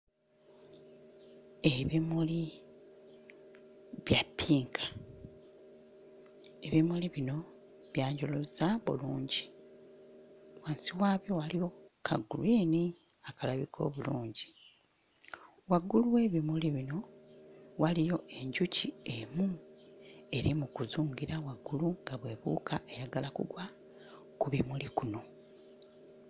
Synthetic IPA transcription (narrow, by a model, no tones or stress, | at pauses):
eβimuli | βjapʰːiːŋkʰḁ | e̞βimuliβino̞ | βjaːɲɟolozaβṵluːɲɟi | waːnsiwaːβjowalijo̞kʰa̰ɡːuliːni | akalaβikʰo̞̰ːβuluːɲɟi | waɡːuluwe̞ːβimuliβino̞ | walijo̞ʔe̞ɲɟuciemu | e̞ɾimukuzuːŋɡiɾawaɡːuluŋɡaβwe̞ːβṵːkʰaʔejaɡalakṵɡwa | kuβimulikuno̞